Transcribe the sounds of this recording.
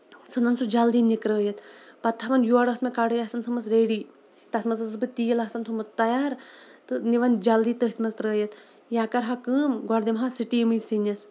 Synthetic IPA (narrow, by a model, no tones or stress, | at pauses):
sɐnd̪ɐnsud͡ʒɐld̪iːnikɾəːjɐt̪pɐt̪ʰːaʋɐnjuɐɽɐsmekaɽɨjɐsɐnt̪ʰɐmɐsɾeːɽiː | t̪ɐsmɐsɐsbɨt̪iːlɐsɐnt̪ʰumɐt̪t̪ɐjaːɾt̪ɨniʋɐnd͡ʒɐld̪iːt̪əɦit̪ʰmɐst̪ɾəːjɐt̪ | jaːkɐɾɦɐkəːmɡɔɾd̪imɦasiʈiːmɨjsinɐs